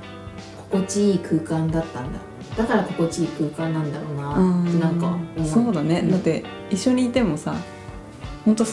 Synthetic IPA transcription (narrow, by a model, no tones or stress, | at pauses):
ko̞̥ko̞t͡ɕiiːkɯ̟ːkãnd̪at̪ːãnd̪a̰ | d̪̥akaɾako̞ko̞t͡ɕiiːkɯ̟ːkãnːãnd̪aɾo̞ːnaanãŋkaso̞ːd̪ane̞d̪at̪ːe̞ | iɕːo̞ɲ̟iːt̪e̞mo̞sa̰ | hõ̞nt̪̬o̞